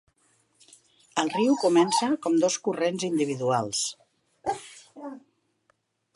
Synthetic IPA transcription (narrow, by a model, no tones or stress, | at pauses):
əlˠriwkumɛnsəkɔmd̪ɔskurenzind̪iβ̞iðualˠs